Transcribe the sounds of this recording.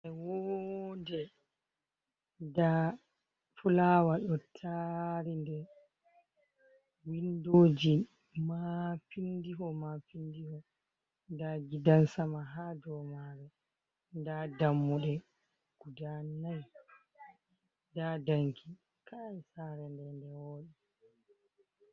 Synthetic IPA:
ʔɛwondɛ | da | fulawaɗɔtʰaɾindɛ | windoːd͡ʒi | mafindiɦɔmafindihɔ | ndaɡidansamaɦaːdɔmaɾɛ | ndadamːuɗɛ | ɡ̥udanaj | dadaŋkʰi | kʰaisaɾɛndɛndɛwoːɗɛ

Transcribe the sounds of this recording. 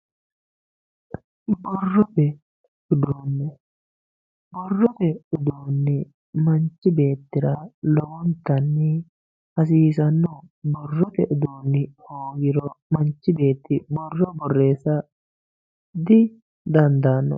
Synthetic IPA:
bɔrːɔt̪ɛ | ʊd̪uːnːɛ | bɔrːɔt̪ɛʊd̪uːnːɪ | mɐnt͡ʃːɪbe̞ːt̪ːɪɾɐlɔwɔnt̪ːɐnːɪ | hɐs̬iːsɐnːɔbɔrːɔt̪ɛʔʊd̪uːnːɪhoːɡɪɾɔmɐnt͡ʃːɪbe̞ːt̪ːɪbɔrːɔbɔrːe̞ːsɐ | d̪ɪ | d̪ɐnd̪anːɔ̰

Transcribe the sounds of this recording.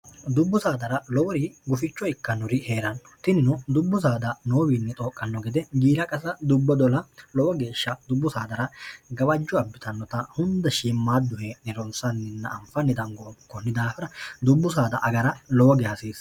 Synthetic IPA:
d̪ʊbːʊsaːd̪ɐɾɐlɔwɔɾiːɡʊfɪt͡ʃːɔɪkːɐnʊɾɪheːɾɐnːɔ̥t̪ɪnɪnɔd̪ʊbːʊs̬aːd̪ɐnoːbiːnːɛt̪ʼo̞ːkʼːɐnːɔɡɛd̪ɛɡiːlɐkʼɐsɐd̪ʊbːɔd̪ɔlɐlɔwɔɡe̞ːʃːɐd̪ʊbːʊsaːd̪ɐɾɐɡɐβɐd͡ʒːɔɐbːɪt̪ɐnːɔt̪ɐhʊnd̪ɛʃiːmːaːd̪ʊhɛnɛɾɔnsɐnːɪnːɐːmfɐnːɪd̪ɐŋɡɔkːɔnːɪd̪aːfɪɾɐd̪ʊbːʊsaːd̪ɐʔɐɡɐɾɐlɔwɔɡɛhɐsiːs

